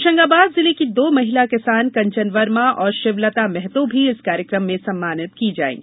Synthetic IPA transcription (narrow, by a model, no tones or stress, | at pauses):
ʃɐ̃ŋɡaːbaːd̪zɪlekid̪oːmɐɦɪlakɪsaːnkɐ̃ɲt͡ʃənʋəɾmãʔɔːɾʃɪʋlət̪amɛɦt̪õbʱiɪskaːɾjəkɾəmːẽsɐmːaːnɪtt̪kid͡ʒa̰ːḛ̃ː